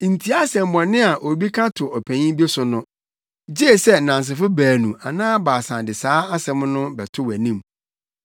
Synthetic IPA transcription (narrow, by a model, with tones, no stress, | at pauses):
n̩˨tʰi˨˦a˦sɛ̃˨m˨bɔ̃˨nɪ̃˦a˨ʔo˨bi˦kʰa˦tʰʊ˨ɔ˨pʰæ̃˨ɲĩ˦bi˦e˦sʊ˨nʊ̃˦ | d͡ʑe˦˨sɛ˦nã˨ns̬ɪ˨fʊ˦bæː˨nũ˨ʔa˨nãː˦baː˨sã˨dɪ˨saː˦a˦sɛ̃˦m˦nʊ̃˦bɛ˨tʰʊ˦wæ˨nĩ˦˨m